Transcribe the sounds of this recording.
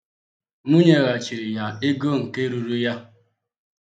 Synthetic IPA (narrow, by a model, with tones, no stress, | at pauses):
mu˦ɲe˨ɣa˨t͡ʃi˨ɾi˨ja˨e˦ɡo˦ŋ̩˨ke˦ɾu˨ɾu˦ja˦